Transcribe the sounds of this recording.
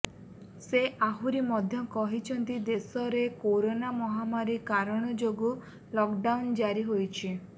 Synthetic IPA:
seʔaɦuɾimɔd̪ʱjɔkɔɦit͡ʃʰɔnt̪id̪esɔɾekoɾonamɔɦamaɾikaɾɔɽ̃ɔd͡ʒoɡu | lɔkɖawnd͡ʒaɾiɦojt͡ʃʰi

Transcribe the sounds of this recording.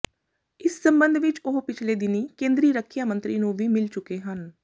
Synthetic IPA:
ɪsːəmbənd̪ʱʋɪt͡ʃoɦpɪt͡ʃʰleːd̪ɪniːkẽːnd̪ɾiːɾəkʰːijaːmə̃nt̪ɾiːnũːʋiːmɪlt͡ʃʊkeːɦən

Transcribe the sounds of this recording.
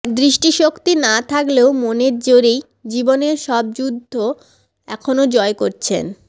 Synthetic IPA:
d̪ɾiʃʈiʃokt̪inat̪ʰakleomoneɾd͡ʑoɾej | d͡ʑiboneɾʃɔb̚d͡ʑud̪ʱːo | ɛkʰonod͡ʑɔekoɾt͡ɕʰḛn

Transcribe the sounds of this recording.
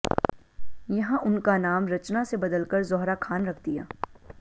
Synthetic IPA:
jɐɦãʔʊnkanaːmɾɐt͡ʃnasebɐd̪əlkəɾzɔɦɾakʰaːnɾɐkʰd̪ija̰ː

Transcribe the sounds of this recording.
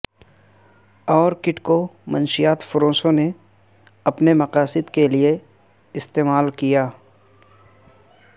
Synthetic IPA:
ɔːɾkɪʈkomənʃɪjaːt̪fʊɾõːsõne | ɐpnemɐqaːsɪd̪kelie | ɪst̪eːmaːlkijaː

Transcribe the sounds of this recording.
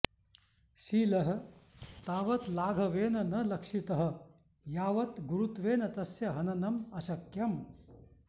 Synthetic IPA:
ʃiːlɐɦɐ̆t̪aːʋɐt̪laːɡʱɐʋeːnɐnɐlɐkʂit̪ɐɦɐ̆ | jaːʋɐt̪ɡuɾut̪ʋeːnɐt̪ɐsjɐɦɐnɐnɐmɐsɐkjɐm

